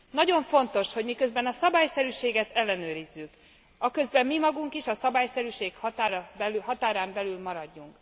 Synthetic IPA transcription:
nɒɟo̞ɱfo̞nt̪o̞ʃho̞ɟmikø̞zbɛnɒsɒbaːjsɛɾyːʃeːɡɛt̪ɛlːɛnøːɾizːyk | ɒkø̞zbɛmːimɒɡuŋkiʃɒsɒbaːjsɛɾyːʃeːkhɒt̪aːɾɒbɛɦɒt̪aːɾaːmbɛlylmɒɾɒɟːuŋk

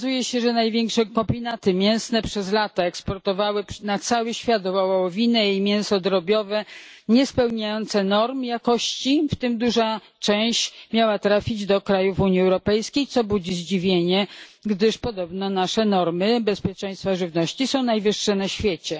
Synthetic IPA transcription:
zujɛɕɛʐɛnajvʲjɛŋkʂɛkɔmbʲinat̪ɘmʲjɛ̃w̃snɛpʂɛzlat̪aɛkspɔɾt̪ɔvawɘnat̪sawɘɕfʲjat̪ɔvawawɔvʲinɛjijmʲjɛ̃sɔd̪ɾɔbʲjɔvɛɲɛspɛwɲajɔnt̪sɛnɔɾmjakɔɕt͡ɕift̪ɘmd̪uʐa | t͡ʂɛ̃w̃ɕmʲjawat̪ɾafʲid͡ʑd̪ɔkɾajufuɲiɛwɾɔpɛjskʲejt̪sɔbud͡ʑiʑd͡ʑivʲjeɲɛɡd̪ɘʂpɔd̪ɔbnɔnaʂɛnɔɾmɘbɛspʲjɛt͡ʂɛ̃j̃st̪faʐɘvnɔɕt͡ɕisɔ̃w̃najvɘʂːɛnaɕfʲjet͡ɕɛ

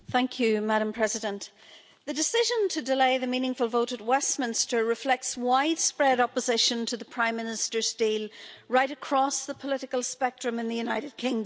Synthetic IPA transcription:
θæ̃ŋkʰjɨmæɾə̃mpʰɹ̥ɛzɨdə̃n | ðɨdɨsɪʒə̃ntʰɨdɪleɪðɨmĩnɪ̃ŋfəlˠvoʊɾət̚wɛsmɪ̃nstə˞ɹɨflɛk̚tswaɪd̥spɹɛɾɑpəzɪʃə̃ntʰəðəpʰɹ̥ãɪ̃mːɪ̃nɪstə˞stilˠɹaɪɾɨkʰɹ̥ɔsðəpʰəlɪɾɨkəlˠspɛk̚tɹ̥ɨ̃mɨ̃nðɨjʉnaɪɾɨd̚kʰɪ̃ŋ

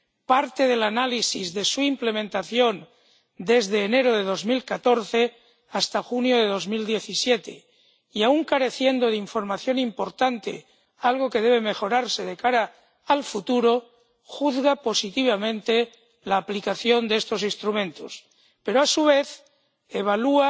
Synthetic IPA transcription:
paɾt̪eðe̞lanalisizðe̞suimple̞mẽnt̪aθjo̞n | d̪e̞zðeːne̞ɾoð̞e̞ðo̞zmilkat̪o̞ɾθe̞ | ast̪axunjo̞ðe̞ðozmild̪je̞θisje̞t̪e̞̰ | iauŋkaɾe̞θje̞nd̪oðeiɱfo̞ɾmaθjo̞nimpo̞ɾt̪ant̪e̞̰ | alɣ̞o̞ke̞ðe̞β̞e̞mexo̞ɾaɾse̞ðekaɾaː | lfut̪uɾo̞ | xuðɣapo̞sit̪iβamẽ̞nt̪e̞ | laːplikaθjo̞nd̪est̪o̞sinst̪ɾumẽnt̪o̞̰s | pe̞ɾoasuβ̞e̞θ | eβ̞alua

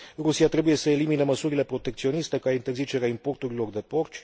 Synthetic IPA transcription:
rusiat̪ɾe̞buje̞səelimineməsuɾile̞pɾo̞t̪ekt̪sio̞nist̪ekaint̪e̞rzit͡ʃe̞ɾeaimpo̞rt̪uɾilo̞rd̪e̞po̞rt͡ʃʲ

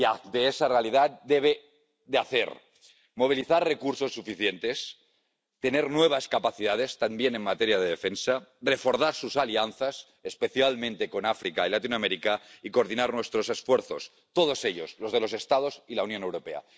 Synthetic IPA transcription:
ad̪eesarealiðat̪̚d̪eβ̞e̞ | ðeaθḛɾ | mo̞β̞iliθaɾre̞kuɾso̞sːufiθje̞nt̪e̞s | t̪e̞ne̞ɾnwe̞β̞askapaθiðað̞e̞st̪ambje̞ne̞nmat̪e̞ɾjað̞e̞ðefensare̞fo̞ɾθaɾsusalianθas | espe̞θjalmẽnt̪e̞ko̞nafɾikailat̪inoameɾikaiko̞ɾðinaɾnwe̞st̪ɾo̞sesfwe̞ɾθo̞s | t̪o̞ð̞o̞se̞ʎo̞̰zlo̞zð̞e̞lo̞se̞st̪að̞o̞silaunjo̞ne̞wɾo̞pe̞a̰

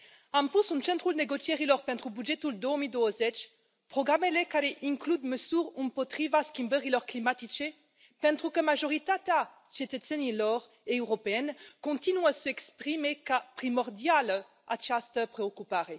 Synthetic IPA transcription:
ãmpusũnt͡ʃɛ̃nt̪χulneɡot͡ʃjɛʁilɔʁpɛ̃nt̪χubyd͡ʒɛt̪uld̪omid̪oozɛt͡ʃ | pχoɡʁamelekaɾeʔiŋklud̪məsyʁunpɔt̪χivaskʲimbɛʁilɔʁklimat̪it͡ʃe | pɛ̃nt̪χukəmaʒoʁit̪at̪a | t͡ʃet̪əsɛnilɔʁ | eøʁopeɛnkɔ̃t̪inwasəɛkspχimekapχimɔʁd̪jal | a̰t͡ʃast̪əpχeokypaʁe

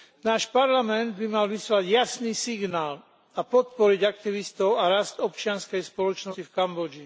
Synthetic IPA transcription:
naːʃpaɾlamɛnd̪bimalʋislaɟjasniːsiɡnaːl | apɔt̪̚pɔɾiɟak̚t̪iʋist̪ɔʊaɾast̪ɔpt͡ʃɪanskɛjspɔlɔt͡ʃnɔifkambɔd͡ʒi

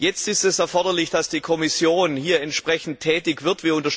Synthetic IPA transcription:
jɛt͡stɪstɛsɛɐfɔɐdɐlɪçd̥asd̥iːkʰɔmɪsjoːnhiːɐɛntʃpʁ̥ɛçn̩ttʰːɛːtɪçv̥ɪɐtv̥iːɐʊntɐʃ

